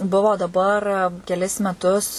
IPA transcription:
ˈbʊʋoː dɐˈbɐr kʲɛˈlʲɪs mʲɛˈtʊs

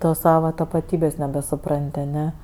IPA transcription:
ˈtoːs ˈsɑːʋɐ tɐpɐˈtʲiːbʲeːsʲ nʲɛbʲɛsʊˈprɐnʲtʲ ɐˈnʲɛ

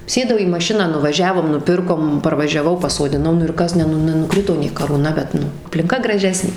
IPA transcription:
ˈsʲeːdɐʊ iː mɐˈʃʲɪnɑː nʊʋɐˈʒʲæːʋoːm nʊˈpʲɪrkoːm pɐrʋɐʒʲɛˈʋɐʊ pɐsoːdʲɪˈnɐʊ ˈnʊ ɪr ˈkɐs ˈnʲɛ ˈnʊ nʲɛnʊˈkrʲɪtoː nʲeː kɐruːˈnɐ bʲɛt ˈnʊ ɐpʲlʲɪŋˈkɐ ɡrɐˈʒʲæːsʲnʲeː

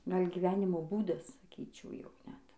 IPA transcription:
ˈɡɐlʲ ɡʲɪˈʋʲæːnʲɪmoː ˈbuːdɐs sɐˈkʲiːt͡ʃʲɛʊ ˈjɛʊ ˈnʲɛt

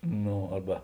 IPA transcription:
ˈnoː ˈɐrbɐ

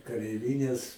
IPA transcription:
kɐrʲɛɪˈʋʲɪnʲɛs

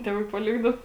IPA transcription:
ˈtʲeːˌʋɐɪ pɐˈlʲɪɡdɐʊ

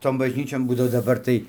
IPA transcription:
ˈtoːn bɐʒʲˈnʲiːt͡ʃʲoːn ˈbuːdɐʋoː dɐˈbɐr tɐɪ

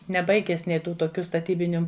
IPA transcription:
nʲɛˈbɐɪɡʲɛs ˈnʲeː ˈtuː toːˈkʲʊ stɐˈtʲiːbʲɪnʲʊ

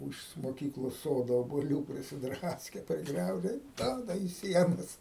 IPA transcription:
ˈuːʃ moːˈkʲiːklˠoːs ˈsoːdoː oːbuɔˈlʲuː pʲrʲɪsʲɪˈdrɑːsʲkʲɛ pʲrʲɪˈɡrʲɛʊʒʲɛ ɪ ˈduɔdɐ iː ˈsʲiɛnɐs

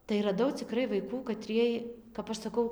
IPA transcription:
tɐɪ rɐˈdɐʊ t͡sʲɪˈkrɐɪ ʋɐɪˈkuː kɐˈtʲrʲiɛj kɐp ˈɐʃ sɐˈkɐʊ

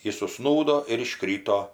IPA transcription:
ˈjɪs ʊˈʃsnuːdoː ɪr ɪˈʃkrʲiːtoː

